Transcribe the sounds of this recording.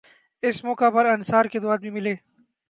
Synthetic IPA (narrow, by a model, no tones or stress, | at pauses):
ɪsmɔːkapɐɾɐnsaːɾked̪ʊwaːd̪̚bimɪleː